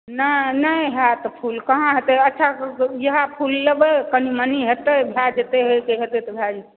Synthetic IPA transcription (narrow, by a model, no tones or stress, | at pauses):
nənəjɦat̪ɔpʰulkəɦãɦet̪eətːʃʰajəɦapʰulːebekəniməniɦet̪ebʱjad͡ʒet̪eɦekeɦet̪et̪ɔbʱjad͡ʒ̪e